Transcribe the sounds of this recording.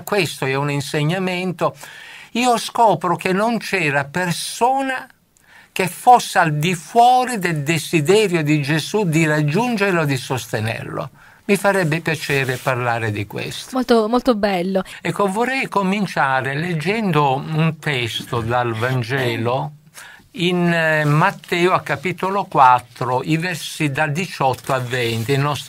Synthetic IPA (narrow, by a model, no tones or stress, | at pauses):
kːwest̪oɛuninseɲːament̪oiːoskɔːpɾokenːont͡ʃɛːɾapersoːna | k̟efosːeald̪ifwɔːɾid̪eld̪ezid̪ɛːɾjod̪id͡ʒezud̪irad͡ʒːund͡ʒeɾlod̪isost̪enɛ̰rlo̰ | mifaɾɛbːɪpjat͡ʃɛːɾeparlaːɾɪd̪ikwḛst̪molt̪omolt̪obɛlːoɛkːovɔrɛjkomint͡ʃaːɾeled͡ʒːɛnd̪ount̪ɛst̪od̪alvand͡ʒɛːlo | inmat̪ːɛːoakːapit̪olokwat̪ːɾoʔivɛɾsid̪ad̪it͡ʃɔt̪ːoavːɛnt̪inɔst̪